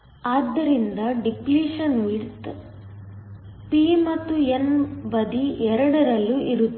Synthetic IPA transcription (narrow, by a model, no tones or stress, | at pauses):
aːd̪ːɐɾind̪ɐɖikliːʃɐnuiɽt̪ː | pimɐt̪ːuenʋɐd̪iɛɾɐɽɐɾɐlːuiɾut̪ː